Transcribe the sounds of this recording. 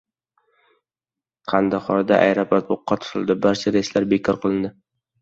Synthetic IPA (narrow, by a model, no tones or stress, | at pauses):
qʰɑnd̪aχɒnad̪aʔa̰jɾapat̪̚boqːɑt̪ʰʊ̥t̪ʰɪlˠd̪ɪbaɾt͡ʃʰaɾeslaɾbekʰʲɒɾqʰɨlˠɪnd̪ɪ